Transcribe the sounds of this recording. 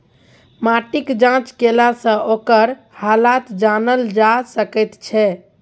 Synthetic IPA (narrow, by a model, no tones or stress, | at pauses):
maʈikd͡ʒãt͡ʃkelasə̃ʔokəɾ | halat̪d͡ʒanəld͡ʒasəkɛt̪t͡ʃʰɛ